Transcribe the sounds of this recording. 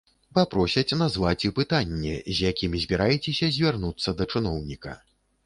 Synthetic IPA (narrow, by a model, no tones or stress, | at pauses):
papɾɔsʲɐt͡sʲnazvat͡sʲipɨt̪anʲːɛ̰zʲjakʲimʲizʲbʲiɾʔajɛt͡sʲɛsʲɐzʲvʲarn̪ut̪sːɐd̪ɐt͡ʂɨnɔwnʲikɐ̰